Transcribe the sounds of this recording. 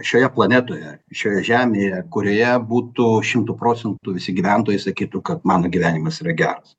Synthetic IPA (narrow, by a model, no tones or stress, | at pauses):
ʃʲoːjɛplˠɐnʲæt̪oːjɛʃʲoːjɛʒʲæːmʲeːjɛkʊɾʲoːjɛbuːt̪uːʃʲɪmt̪uːpɾoːt͡s̪ʲɛnt̪uːʋʲɪsʲɪɡʲiʋʲænt̪oːjɛɪsɐkʲiːt̪ukɐt̪mɑːnoːɡʲiʋʲæːnʲimɐsiːrɐɡʲæːɾɐs